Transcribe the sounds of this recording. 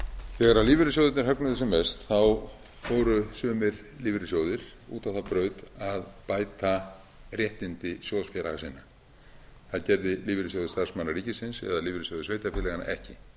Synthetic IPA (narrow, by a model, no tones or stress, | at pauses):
θɛːɣaɾaðliːvɪɾɪs̬owðɪt̪nɪɾ̥ɦœknʏðɪsɛmːɛst̪θaw | fɔːwɾʏsœːmɪɾ | liːvɪɾɪsjowðɪɾ̥ṵːt̪awθapɾœːɥt̪aðpaːjt̪a | rjɛht̪ɪnt̪ɪsjɔsfjɛɾa̰ɣasiːna | θaðcɛɾðɪliːvɪɾɪs̬owðɪst̪aɾ̥smanːaɾiːcɪsɪnsɛ̰ðaliːvɪɾɪsjowðɪsveːjt̪afɪlɛɣana̰ʔɛ̰hcɪ